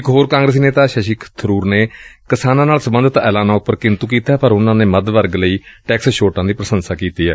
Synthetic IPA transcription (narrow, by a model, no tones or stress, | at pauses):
ɪkɦoːɾkãːɡɾeːs̬ineːt̪aːʃəʃikt̪ʰəɾuːɾneːkɪsaːnãːnaːlsəbə̃nd̪ət̪ɛːlaːnaːʊpːəɾkɪnt̪uːkiːt̪aːɛːpəɾʊnãːneːməd̪ʋəɾɡləiːʈɛːksʃoːʈãːd̪iːpɾəsənsaːkiːt̪iːɦɛ̰ː